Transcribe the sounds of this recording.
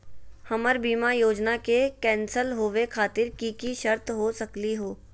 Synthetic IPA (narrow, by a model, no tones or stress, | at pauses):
hɐməɾbiːmajoːd͡ʒnakekɛ̃ːnsəlɦoːʋekʰaːt̪ɪɾkiːkiʃɐɾt̪ɦosɐkliɦoː